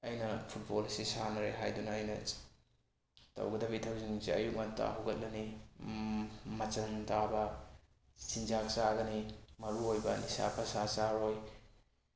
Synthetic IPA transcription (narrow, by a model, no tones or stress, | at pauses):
ɐjnɐpʰut̚bolsisanɐɾeɦajdunɐːjnɐ̰ | tɐ̰wɡɐdɐbitʰawziŋsiɐjuk̚nata̰ɦuɡɐt̚lɐni | mɐt͡ʃɐmtabɐ | sinzaksaɡɐnimɐɾuojbɐnisa̰pʰɐsasaɾoj